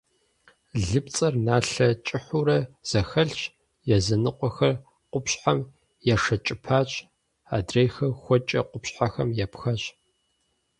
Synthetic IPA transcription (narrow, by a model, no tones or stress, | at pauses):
ɮɨp̚t͡sʼɐrnaːɬɐt͡ʃʼɪħuɾɐz̥ɐxɐɬʃ | jɛzɐnɨqʷʼɔxɐr | qʷʊpɕħam | jɛʂɐt͡ʃʼɪpʰaːɕʼ | aːdrejxɐxʷɔt͡ʃʼɐ̰qʷʊpɕħaxɐmjɛpxɐɕʼ